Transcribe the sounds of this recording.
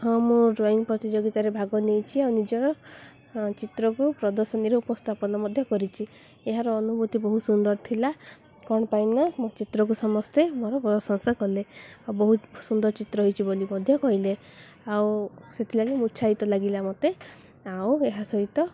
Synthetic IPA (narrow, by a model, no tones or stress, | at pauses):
ɦɔ̃mũɾajnpɾɔt̪id͡ʒoɡit̪aɾebʱaɡɔnejt͡ʃʰiawnid͡ʒɔɾɔ | t͡ʃit̪ɾɔkupɾɔd̪ɔɾsɔniɾeupɔst̪ʰapɔnɔmɔd̪ʱjɔkɔɾit͡ʃʰi | eɦaɾɔːnubut̪ibɔɦusund̪ɔɾt̪ʰila | kɔɽ̃pajnɔmt͡ʃit̪ɾɔk̬usɔmɔst̪emɔɾɔpɔd̪ɔsɔnsɔkɔlebɔɦusund̪ɔɾt͡ʃit̪ɾɔɦɔjt͡ʃʰibolimɔd̪ʱjɔkɔɦile | awset̪ʰilaɡimut͡ʃʰait̪ɔlaɡilamɔt̪e | aweɦasɔɦit̪ɔ